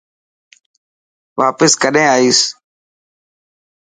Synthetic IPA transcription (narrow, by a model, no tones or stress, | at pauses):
ʋaːpəskəɗẽːaːiːs